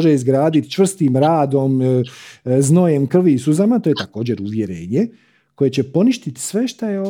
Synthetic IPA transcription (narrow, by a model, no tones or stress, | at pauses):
ʒeizɡɾaːd̪it̪t͡ʃʋr̩st̪imɾaːd̪o̞m | zno̞jemkr̩ʋisuzamat̪ojet̪ako̞ːd͡ʑe̞ɾuʋjeɾeɲe̞ | ko̞je̞t͡ɕe̞po̞niʃt̪it̪i̥sʋe̞ʃt̪ajeo